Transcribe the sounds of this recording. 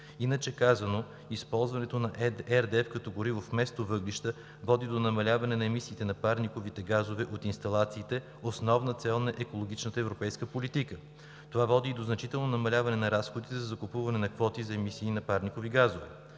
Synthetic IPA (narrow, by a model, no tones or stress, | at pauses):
inət͡ʃɛkazɐno | ispɔlˠzvɐnɛt̪onɐʔɛɾd̪ɛɛfkɐt̪ɔɡoɾivofmɛst̪ovɤɡliʃt̪ə | vɔd̪id̪onɐmɐlʲavɐnɛnɐɛmisiːt̪ɛnɐpaɾnikovit̪ɛɡazovɛʔot̪inst̪ɐlˠat̪siːt̪ɛ | osnɔvnət̪sɛlˠnɐʔɛkolˠoɡ̟it͡ʃnət̪əɛvɾopɛjskəpolit̪ikə | t̪ovavɔd̪id̪oznɐt͡ʃit̪ɛlˠnonɐmɐlʲavɐnɛnɐɾasxod̪it̪ɛzɐzɐkʊpuvɐnɛnɐkvɔt̪izɐɛmisiːnɐpaɾnikoviɡazovɛ